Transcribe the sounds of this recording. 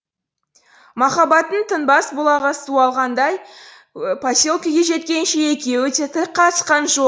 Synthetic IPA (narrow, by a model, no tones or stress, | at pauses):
mɑχɑbɑt̪ənt̪ʰənbɑsbʊlˠɑʁəsuɑlˠʁɑnd̪ɑj | pʰasʲo̞lˠkəɡʲe̞ʒe̞t̪̚kʲe̞nʃee̞kʲe̞wɪt̪et̪ʰɪqʰɑt̪ə̥sqɑnʒo